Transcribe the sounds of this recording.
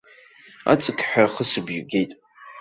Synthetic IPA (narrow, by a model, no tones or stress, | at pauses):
a̰t͡sʼɨkʰʼħaχəsɨbjuɡejtʼ